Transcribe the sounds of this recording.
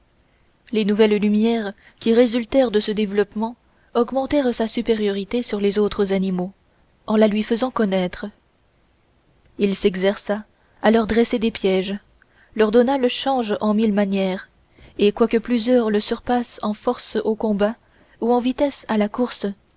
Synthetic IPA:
lenuvɛllymjɛːʁ | kʲiʁezylt̪ɛʁd̪əsəd̪evlɔpmɑ̃ | ɔɡmɑ̃t̪ɛʁsasypeʁjɔʁit̪esyʁlezot̪χəzanimo | ɑ̃lalɥifəzɑ̃kɔnɛt̪χə | ilsɛɡzɛʁsaː | lœʁd̪ʁɛsed̪epjɛʒ | lœʁd̪ɔnaləʃɑ̃ʒɑ̃milmanjɛːʁ | ekwakəplyzjœʁləsyʁpasɑ̃fɔʁsokɔ̃ba | uɑ̃vit̪ɛsalakuʁs

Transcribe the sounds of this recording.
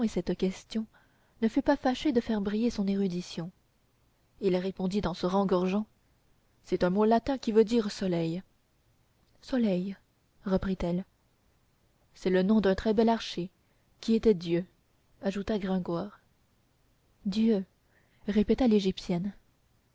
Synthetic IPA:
esɛt̪kʲɛst̪jɔ̃ | nəfypafaʃed̪əfɛʁbʁijesɔ̃neʁyd̪isjɔ̃ | ilʁepɔ̃d̪it̪ɑ̃səʁɑ̃ɡɔʁʒɑ̃ | sɛt̪œ̃molat̪ɛ̃kʲivød̪iʁsɔlɛj | sɔlɛj | ʁəpχit̪ɛl | sɛlənɔ̃d̪ɛ̃t̪χɛbɛlaʁʃe | kʲiet̪ɛd̪jø | aʒut̪aɡʁɛ̃ɡwaːʁ | d̪jø | ʁepɛt̪aleʒipsjɛn

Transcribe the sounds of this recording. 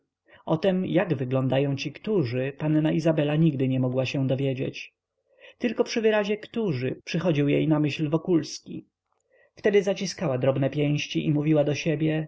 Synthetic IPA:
ɔt̪ɛmjaɡvɘɡlɔ̃nd̪ajɔ̃w̃t͡ɕikt̪uʐɘpanːaizabɛlaɲiɡd̪ɘɲɛmɔɡwaɕɛ̃d̪ɔvʲjed͡ʑḛt͡ɕ | t̪ɘlkɔpʂɘvɘɾaʑɛkt̪uʐɘpʂɘxɔd͡ʑiwjḛjnamɘɕlvɔkulskʲḭ | ft̪ɛd̪ɘzat͡ɕiskawad̪ɾɔbnɛpʲjɛ̃w̃ɕt͡ɕiʔimuvʲiwad̪ɔɕebʲjɛ

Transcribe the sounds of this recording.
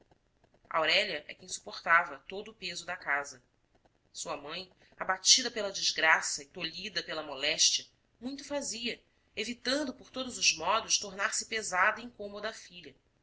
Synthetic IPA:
ʔawɾɛʎɐʔɛ̰kẽj̃su̥poχt̪avɐt̪od̪ʊːpezʊd̪ɐkazɐ | suɐmɐ̃j̃ | abat͡ʃid̪ɐpelɐd͡ʒizɡɾasɐɪt̪oʎid̪ɐpelɐmolɛʃt͡ʃiɐ | mũj̃t̪ʊfaziɐ | evit̪ɐ̃nd̪ʊpoɾt̪od̪ʊzʊzmɔd̪ʊʃt̪oɾnaɾsɪ̥pezad̪ɐĩŋkõmod̪ɐːfiʎɐ

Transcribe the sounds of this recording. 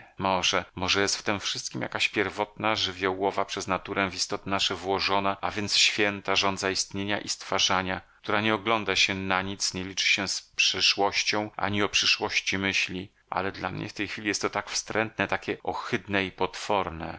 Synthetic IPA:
mɔʐɛmɔʐɛjɛst̪ft̪ɛmfʂɘst̪̚kʲimja̰kaɕpʲjɛɾvɔt̪̚naʐɘvʲjɔwɔvapʂɛznat̪uɾɛvist̪ɔt̪ɘnaʂɛvwɔʐɔnaavʲjɛnt̪sɕfʲjɛnt̪aʐɔnd̪zaist̪ɲeɲaʔist̪faʐaɲakt̪uɾaɲɛɔɡlɔnd̪aɕɛnaɲit̪sɲɛlʲit͡ʂɘ̥ɕɛspʂɘʂwɔɕt͡ɕɔ̃w̃ʔa̰ɲiɔpʂɘʂwɔɕt͡ɕimɘɕlʲi | ʔa̰lɛd̪la̰mɲɛ̰ft̪ɛjxfʲilʲijɛst̪ːɔt̪akfst̪ɾɛnt̪nɛt̪akʲɛʔɔxɘd̪nɛipɔt̪fɔɾnɛ̰

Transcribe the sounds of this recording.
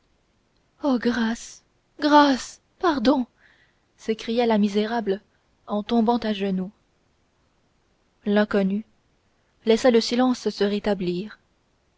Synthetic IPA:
oɡʁas | ɡʁas | paʁd̪ɔ̃ | sekχijalamizeʁabl | ɑ̃t̪ɔ̃bɑ̃t̪aʒənu | lɛ̃kɔny | lɛsaləsilɑ̃ssəʁet̪abliːʁ

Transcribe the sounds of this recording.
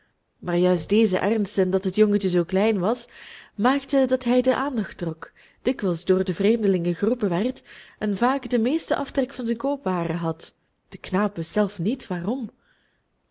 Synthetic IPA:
maːrjœɥs̚deːzə̰ʔɛrnstəndɑtɦətjɔŋətəzoːklɛjnʋɑsmaːktədɑtɦɛjdəʔaːndɑxt̚rɔk | d̥ɪkʋɛlˠzdoːrdəvreːmdəlɪŋəɣərupəʋɛrtɛnvaːkdəmeːstəʔɑftrɛkfɑnzɛnkoːpʋaːrəɦɑt | d̥əknaːpʋɪsz̥ɛlˠfnitʋaːrɔm

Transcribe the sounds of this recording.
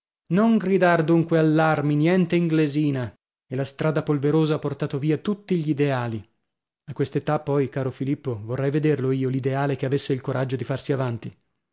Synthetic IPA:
noŋɡɾid̪ard̪uŋkwealːarminjɛnt̪eiŋɡleziːna | elast̪ɾaːd̪apolveɾoːzaapːort̪aːt̪oviːat̪ut̪ːiʎid̪eaːli | akːwest̪et̪apːɔjkaːɾofilipːovorːɛjved̪erloiːolid̪eaːlekeavesːeilkoɾʔad͡ʒːod̪ifarsiavant̪i

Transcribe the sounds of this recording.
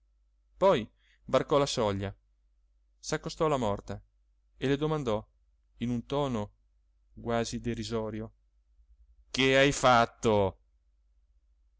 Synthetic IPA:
pɔj | barkɔlasɔʎːa | sakːost̪ɔlamɔrt̪a | eled̪omand̪ɔ | inunt̪ɔːno | ɡwaːzid̪eɾizɔːɾjo | keajfat̪ːo

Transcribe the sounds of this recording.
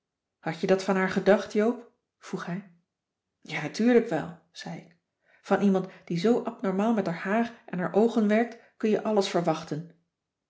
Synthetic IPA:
hɑcədɑtfɑnɦaːɹχədɑχtjowp | v̥ruχɦɛj | jaːnatyːɹləkʋɛ̰lˠ | z̥ɛjɪk | fɑnʔimɑntd̥izowʔɑpnɔɹmaːlˠmɛtaɹhaːrʔɛnɦaːɹʔowχənʋɛɹk̚tkɵnjəʔɑləsfəɹʋɑχtən

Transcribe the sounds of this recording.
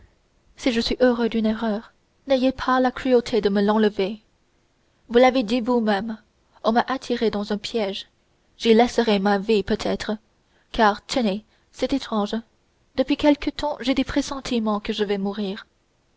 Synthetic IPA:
siʒəsɥiʔøʁød̪yneʁœːʁ | nɛjepʰalakχyot̪ʰed̪əməlɑ̃ləve | vulaved̪ivumɛm | ɔ̃maʔat̪ʰiʁed̪ɑ̃zɛ̃pʰjɛʒ | ʒilɛsəʁɛmavipøt̪ʰɛt̪χə | kaʁt̪ʰəne | sɛt̪et̪χɑ̃ʒ | d̪əpɥikʲɛlkət̪ɑ̃ʒed̪epχesɑ̃t̪ʰimɑ̃kəʒəvɛmuʁiːʁ

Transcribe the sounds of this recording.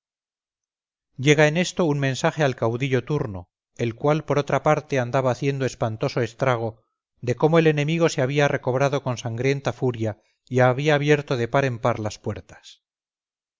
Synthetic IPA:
ɟ͡ʝe̞ɣaene̞st̪o̞unmẽ̞nsaχe̞alkawðiʎo̞t̪uɾno̰ | e̞lkwalpo̞ɾo̞t̪ɾapaɾt̪e̞and̪aβaːθje̞nd̪oe̞spant̪o̞so̞est̪ɾaɣ̞o̞ | ðe̞ko̞moe̞le̞ne̞miɣ̞o̞se̞aβ̞iare̞ko̞β̞ɾað̞o̞ko̞nsaŋɡɾje̞nt̪afuɾja | iaβiaːβje̞ɾt̪oðe̞paɾe̞mpaɾlaspwe̞ɾt̪ḁs

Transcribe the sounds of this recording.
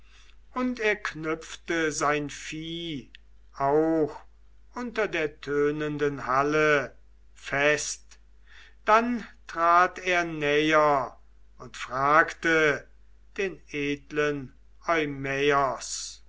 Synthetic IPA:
ʊnteːɐknʏftəzaɪnfiː | ʔaʊx | ʔʊntɐdeːɐtʰøːnəndənhalə | fɛst | d̥antʁ̥aːteːɐnɛjɐ | ʊntfʁ̥aːktə | d̥eːneːdlən | ʔɔʏmɛɐs

